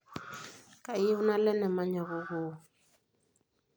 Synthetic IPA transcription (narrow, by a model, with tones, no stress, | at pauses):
ka˨i˦u˦na˦lɛ˦nɛ˨ma˦ɲa˨ɣɔ˦ɣo˨